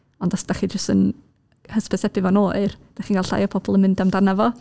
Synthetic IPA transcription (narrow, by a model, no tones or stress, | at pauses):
ɔndasd̥aχid͡ʒəstən | həspʰɛsɛpɪvɔnoːrd̥aχiːnɡalɬa̰jɔpʰɔbɔlˠənmɪndamdanavɔ